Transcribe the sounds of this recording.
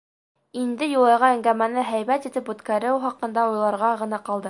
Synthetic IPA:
ind̪ɘjulˠɑjʁɑæŋɡæmænɘɦæjβæt̪it̪ɘpʉt̪kæɾɘwχɑqɤ̆nd̪ɑujlˠɑɾʁɑʁɤ̆nɑqɑlˠd̪ɤ

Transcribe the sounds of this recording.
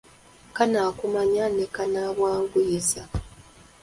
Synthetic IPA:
kanaːkumaɲanekanaβwaːŋɡujiza

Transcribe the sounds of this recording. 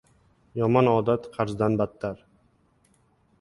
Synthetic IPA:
jɒmɒnɒːd̪at̪qʰɑɾzd̪anbat̪ʰːaɾ

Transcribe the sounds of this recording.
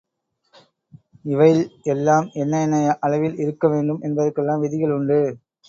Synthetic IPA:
ɪʋɐɪlɛlːaːmɛnːɐnɐʔɐɭɐʋɪlɪɾɯkːɐʋeːɳɖɯmʔɛnbɐðɐkːɛlːaːmʋɪðɪɣɐɭʊɳɖɯ

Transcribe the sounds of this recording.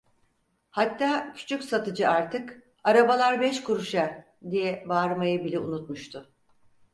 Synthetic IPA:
hat̪ːaːcʰy̥t͡ʃʰycʲsat̪ɯd͡ʒɯaɾt̪ʰɯk | aɾabalˠaɾbɛʃkuɾuʃaɾ | d̪ijɛbaːɾmajɯbilʲɛunut̪̚muʃt̪ʰʊ

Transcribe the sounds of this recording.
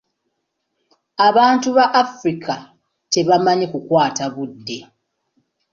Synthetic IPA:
aβaːntuβaʔːfɾikʰa | te̞βamaɲikukwaːtaβudːe̞

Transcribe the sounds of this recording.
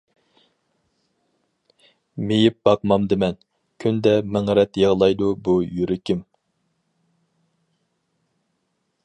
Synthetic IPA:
mejip̚bɑqmɑmd̪ɪmɛn | kʲʰynd̪ɛmɪŋɾɛt̪jeʁlˠɑjd̪ubujyɾɪkʲim

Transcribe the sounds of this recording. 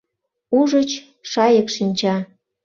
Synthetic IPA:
uʒət͡ɕ | ʃɑjəkʃinʲt͡ɕɑ

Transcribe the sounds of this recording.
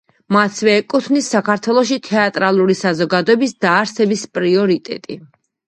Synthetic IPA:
masvɛːkʼut̪ʰvnisːakʰaɾt̪ʰwɛlˠɔʃ̬it̪ʰɛat̪ʼɾalˠuɾisazɔɡad̪ɔɛbisd̪aːɾsɛbispʼɾiɔɾit̪ʼɛ̰t̪ʼi

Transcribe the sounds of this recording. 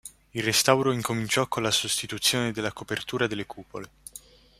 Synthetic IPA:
ilrest̪awɾoiŋkomint͡ʃɔkːonlasost̪it̪ut̪sːjoːned̪elːakopert̪uːɾad̪elːekʰuːpo̰le

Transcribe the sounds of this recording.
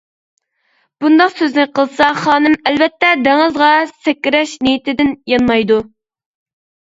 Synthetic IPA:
b̥und̪ɑqsøznɪqʰəlˠsɑχɑːnɨmɛlvɛt̪ːɛd̪æŋɨzʁɑsɛkʲːiɾɛʃnejit̪ʰɪd̪ɪnjɑnmɑjd̪u

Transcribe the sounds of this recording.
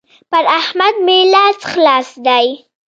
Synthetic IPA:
pəɾahmad̪̚melat͡sxlɑsd̪aj

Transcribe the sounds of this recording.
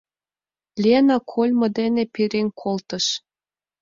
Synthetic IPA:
lʲienɑkʰolʲmɤ̆d̪enepiɾeŋkʰolt̪ə̆ʃ

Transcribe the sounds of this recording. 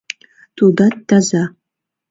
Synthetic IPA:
t̪ʰud̪at̪ːaza

